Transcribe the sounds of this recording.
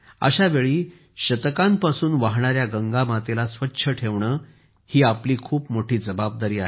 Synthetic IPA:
ə̰ɕaʋeɭiː | ɕət̪kampasuːnʋaɦɳaɾjaɡəŋɡamat̪elasʋətːɕʰəʈʰeʋɳəː | hiːapliːkʰuːpmoʈʰiːd͡zəbab̚d̪aɾiːaɦe

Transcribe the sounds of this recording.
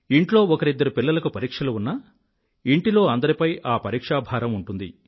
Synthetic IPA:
iɳʈlo̞ːɔkɐɾid̪ːɐɾupilːɐlɐkupɐɾiːkʂɐluunːɐ | iɳʈilo̞ːɐnd̪ɐɾipɐjaːpɐɾiːkʂaːbʱaːɾɐmuɳʈund̪i

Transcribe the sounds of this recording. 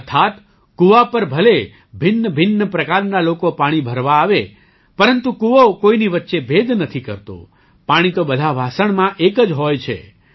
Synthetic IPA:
ət̪ʰat̪ | kuʋapəɾbʱəle | bʱɪnːəbʱɪnːəpɾəkaɾnalokopaɽ̃ibʱəɾʋaːʋe | pəɾənt̪ukuʋokoiniʋətːʃebʱed̪nət̪ʰikəɾt̪o̰ | paɽ̃it̪obəd̪ʱabʱasəɳmãʔekəd͡ʒɦojt͡ʃʰḛ

